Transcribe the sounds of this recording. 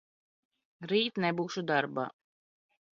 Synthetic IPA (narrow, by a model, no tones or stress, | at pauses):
ɾiːt̪nɛbuːʃud̪aɾba̰ː